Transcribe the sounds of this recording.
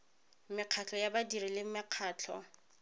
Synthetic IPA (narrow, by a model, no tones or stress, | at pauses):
mɪq͡χʰat͡ɬʰɔjabadiɾilɪm̩mɪq͡χʰaːt͡ɬʰɔ̰